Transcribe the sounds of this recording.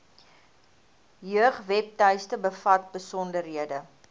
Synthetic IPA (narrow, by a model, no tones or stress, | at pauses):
jøəχvɛp̚tœjstəbəfɐt̚bəsɔndəɾɦiədə